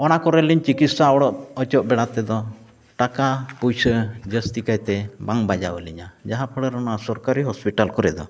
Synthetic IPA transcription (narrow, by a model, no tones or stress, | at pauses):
ɔnakɔɾɛliɲt͡ʃikit̪̚saɔɽɔʔɔt͡ʃɔʔ̚bɛɽat̪ɛd̪ɔ | ʈakapujsəd͡ʒəst̪ikajt̪ɛbaŋbad͡ʒaəliɲad͡ʒaɦapʰəɽəɾɔnasɔɾkaɾiɦɔspiʈalkɔɾɛd̪ɔ